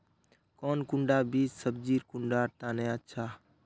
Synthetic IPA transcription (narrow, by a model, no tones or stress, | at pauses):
koːnkʊɳɖaːbiːd͡ʒsəb̚d͡ʒiːɾkʊɳɖaːɾt̪ãːnẽːətːʃʰaː